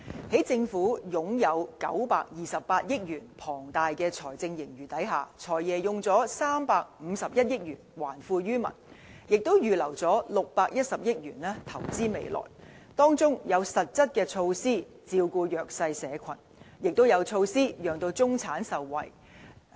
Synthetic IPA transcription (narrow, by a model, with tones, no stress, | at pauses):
he˨˥jt͡sɪ˧ŋfuː˨˥jʊ˨˥ŋjɐ˨˧wkɐ̰˨˥wpaː˧k̚jiː˨˩sɐ˨p̚pːaː˧t̚jɪ˥k̚jyː˨˩npʰɔː˨˩ŋt̪aː˨jkɛː˧t͡sʰɔː˨˩jt͡sɪ˧ŋjɪ˨˩ŋjyː˨˩t̪ɐ˨˥jɦa̰ː˨t͡sʰɔː˨˩jjɛː˨˩jʊ˨ŋt͡sɔː˨˥saː˥mpaː˧k̚m̩ː˨˧sɐ˨p̚jɐ˥t̚jɪ˥k̚ɥyː˨˩nwa̰ː˨˩nfuː˧ɥyː˥mɐ̰˨˩njɪ˨k̚t̪o˥wjyː˨lɐ˨˩wt͡sɔː˨˥lʊ˨k̚paː˧k̚jɐ˥t̚sɐ˨p̚jɪ˥k̚jyː˨˩nɛː˥t̪ʰɐ˨˩wt͡siː˥mḛ˨˧jlɔ̰ː˨˩j | t̪ɔː˥ŋt͡sʊ˥ŋjɐ˨˧wsɐ˨t̚t͡sɐ˥t̚kɛː˧t͡sʰo˧wsiː˥ | t͡siː˧wkuː˧jœː˨k̚sɐ˧jsɛː˨˧kʷʰɐ˨˩n | jɪ˨k̚t̪o˥wjɐ˨˧wt͡sʰo˧wsiː˥jœː˨ŋt̪o˧wt͡sʊ˥ŋt͡sʰaː˨˥nsɐ˨wːɐ̰˨˩j